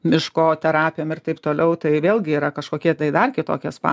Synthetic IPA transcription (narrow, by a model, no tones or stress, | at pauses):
mʲɪʃkoːt̪ʲɛɾɑːpʲɪjoːmɪrt̪ɐɪpt̪oːlʲɛʊt̪ɐɪʋʲeːlʲˠɡʲɪiːɾɐkɐʃkoːkʲiɛt̪ɐɪd̪ɐrkʲɪt̪o̰ːkʲɛspɑ̰